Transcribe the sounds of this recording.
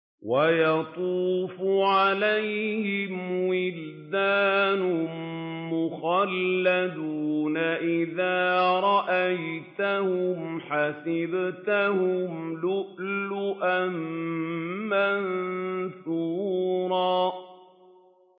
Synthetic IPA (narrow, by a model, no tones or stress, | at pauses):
wajɑt̪ˤuːfʊʕalajhɪmwɪld̪aːnʊ | mʊxalːad̪uːnaʔɪðaːɾˤɑʔajt̪ahʊmħasɪbt̪ahʊmlʊʔlʊʔam | mannsuːɾˤɑː